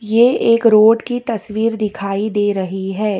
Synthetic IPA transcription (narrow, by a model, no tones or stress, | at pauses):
jeeːkɾoːɖkit̪ɐsʋiːɾd̪ɪkʰaːid̪eːɾɐɦiɦɛː